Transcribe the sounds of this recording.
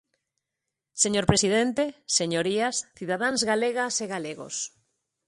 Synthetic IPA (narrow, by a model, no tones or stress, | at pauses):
seɲoɾpɾesiðent̪eseɲoɾiasθiðaðaŋzɣaleɣaseɣaleɣo̰s